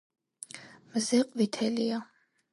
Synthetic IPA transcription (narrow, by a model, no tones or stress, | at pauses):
mzɛqʼvit̪ʰɛlija